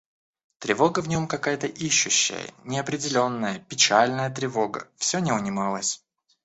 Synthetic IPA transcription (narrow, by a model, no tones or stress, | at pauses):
t̪ɾʲɪvo̞ɡəvnʲo̞mkɐkajət̪əʔiɕːʊɕːɪ̰jə̰nʲɪɐpɾʲɪdʲɪlʲo̞nːəjəpʲɪt͡ɕalʲnəjət̪ɾʲɪvo̞ɡə̰fsʲonʲɪʊnʲɪmɑlˠəsʲ